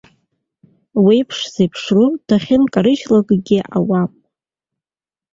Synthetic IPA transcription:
wijpʰʂzejpʰʂrud̥ʰaχʲɪnkʼaɾɨʃlaɡʼɡʲiʔa̰wam

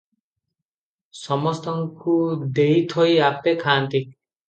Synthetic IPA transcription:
sɔmɔst̪ɔŋkud̪ejt̪ʰɔjapekʰaːnt̪i

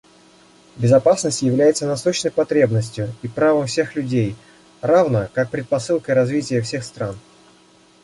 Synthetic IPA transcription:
bʲɪzɐpasnəsʲtʲjɪvlʲæjɪt̪sənɐsoɕnəjpɐt̪ɾʲe̞bnəsʲtʲjʊipɾavəmfsʲe̞xlʲʉdʲej | ravnəkak̚pɾʲɪt̪̚pɐsɨlˠkəjɾɐzvʲitʲɪjəfsʲexst̪ɾan

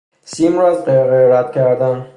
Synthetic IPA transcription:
siːmɾɒːzɢeʁejɾæd̪̥kʲʰæɾd̪æn

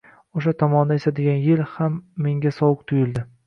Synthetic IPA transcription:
oʃ̬at̪ʰɒmɒnd̪aesad̪ɪɡʲanjɪlhamːe̞ŋɡʲasɒwʊq̚t̪ʰʊjɪld̪ɪ

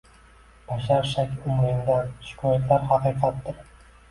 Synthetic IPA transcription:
b̥aʃaɾʃakʲʊmɾɪmd̪anʃɪ̥kʲʰɒjat̪laɾhɑqɨːqʰɑt̪ːɪɾ

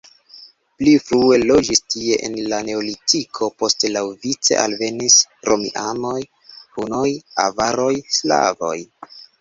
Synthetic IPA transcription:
plifɾue̞lo̞d͡ʒistie̞ʔḛnlane̞olitikʰo̞po̞stelawvit͡se̞̰ʔalve̞nisɾo̞mḭʔamo̞j | hunoja̰vaɾo̞jsla̰vo̞̰j

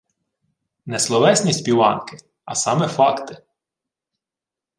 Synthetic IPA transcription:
nɛslˠɔʋɛsʲnʲisʲtʲpʲiʋɑ̰nkɪ | ɐsɑmɛfɑkt̪ɪ

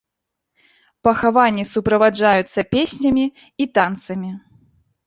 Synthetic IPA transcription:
pɐxavanʲːisupɾɐvad͡ʐajut̪sːɐpʲesʲnʲɐmʲi | it̪ant̪sɐmʲi

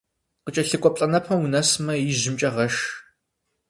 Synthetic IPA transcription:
qət͡ʃʼɐɬɨkʷʼɔpʼɬʼɐnɐpʰɐwunɐsmɐjɪʑɪmt͡ʃʼɐʁɐʃ

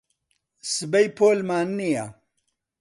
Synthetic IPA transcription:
sɨbɐjpʰoːlmaːnːija

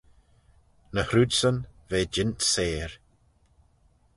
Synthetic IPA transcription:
nəhɾudsənveːd͡ʒɪntseːɹ

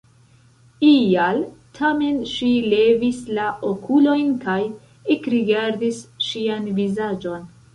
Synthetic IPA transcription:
ialtʰame̞nʃile̞vislaʔokʰulo̞jnkaj | ekɾiɡaɾdisʃianvizad͡ʒo̞n

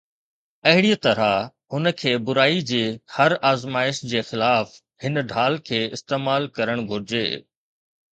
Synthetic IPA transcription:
ɐɦɪɽit̪ɐɾa | ɦʊnə̆kʰeːbʊɾaːid͡ʑeːhɐɾaːzmaːɪʃd͡ʑeːxɪlaːf | hɪnɖʱaːlkʰeːɪst̪eːmaːlkɐɾəɽ̃ɡʱʊɾɪd͡ʑḛː

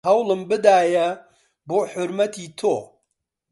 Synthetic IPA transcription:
ɐwlˠɨmbɨd̪aːjɐ | boːħʊɾmɐt̪ʰiːt̪ʰoː

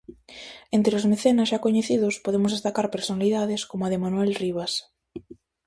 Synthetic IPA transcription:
ent̪ɾeozmeθenazʒakoɲeθiðospoðemʊzðest̪akaɾpeɾsonaliðaðeskomoaðemanuɛlriβ̞as

